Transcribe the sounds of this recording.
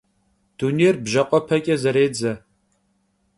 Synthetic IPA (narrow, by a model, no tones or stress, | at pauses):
d̥uneːrbʒɐqʷʼɔpʰɐkʲʼɐzɐɾeːd͡zɐ